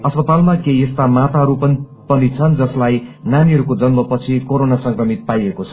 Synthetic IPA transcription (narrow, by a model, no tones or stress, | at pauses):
ʌspʌt̪almakeest̪amat̪ʰaɦʌɾupʌn | pʌnit͡sʰʌnd͡zʌslajnaniɦʌɾukod͡zʌnmʌpʌt͡sʰikoɾonasʌŋkrʌmit̪̚pajekot͡sʰʌ̥